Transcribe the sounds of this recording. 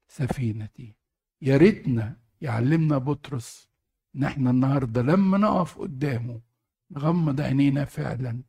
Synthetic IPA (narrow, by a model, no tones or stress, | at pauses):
sæfiːnæt̪i | jɑɾɪt̪næ | jʕa̰lːɪmnæbʊt̪ɾʊs | ʔɪnːʔɪħnænːɑhɑɾˤd̪ˤɑlæmːænɑʔæfʔʊ̰d̪ːæːmu | nɣæmːɑd̪ˤʕa̰neːnæfɪ̰ʕlæn